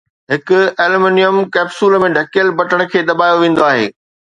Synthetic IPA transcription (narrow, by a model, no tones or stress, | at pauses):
ɦɪkʊ̆eːlmeːnijəmkɛːbsuːlmẽɖʱɐkijəlbɐʈəɽ̃ə̆kʰeːd̪ɐbaːjoʋẽːn̆d̪oaːɦḛː